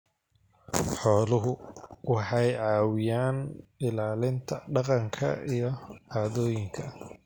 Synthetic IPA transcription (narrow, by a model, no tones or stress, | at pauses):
ħɔːlʊɦʊwɑħɑjʕɑːwɪjaːnɪlaːlɪnt̪ʰɐɖɑqɑŋkʰɐ̰ijɞʕaːðɔːjɪŋkʰɐ